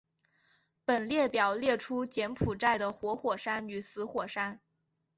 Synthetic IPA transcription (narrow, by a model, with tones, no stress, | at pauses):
pə˨˩nljɛ˥˩pjɑ˨˩ʊljɛ˥˩ʈ͡ʂʰu˥t͡ɕjɛ˧˥npʰu˨˩ʈ͡ʂa˥˩ɪd̪ə˩xwɔ˧˥xwɔ˨˩ʂa˥ny˨˩sɹ̩˧˥xwɔ˨˩ʂa˥n